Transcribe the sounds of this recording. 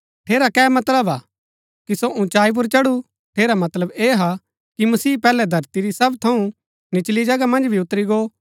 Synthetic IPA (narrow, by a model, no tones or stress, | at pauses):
ʈʰeːɾakɛːmɐt̪ləbaː | kisoʔʊ̃t͡ʃaːip̬ʊɾt͡ʃɐɽu | ʈʰeːɾamɐt̪ləbeːɦa | kimɐsiːpɛːlɛd̪ʱɐɾt̪iɾisɐbt̪ʰɐũ | nɪt͡ʃlid͡ʒɐɡamɐ̃nd͡ʒbʱiʊt̪ɾiɡoː